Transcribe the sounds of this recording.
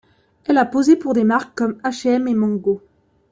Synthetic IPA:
ɛlapozepuʁd̪emaʁkkːɔmaʃeɛmemɑ̃ŋɡo

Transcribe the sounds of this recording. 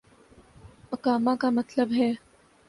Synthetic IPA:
ɐkaːmãkamɐt̪ləbɦɛː

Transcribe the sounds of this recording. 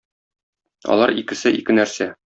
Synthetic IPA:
ɒ̰lˠɑɾikɘ̆sɘʔikɘnæɾsæ

